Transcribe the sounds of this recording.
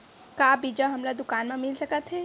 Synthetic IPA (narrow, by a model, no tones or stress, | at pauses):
kaːbid͡ʒaɦɐmlad̪ʊkaːnmẽmɪlsɐkət̪ɦɛː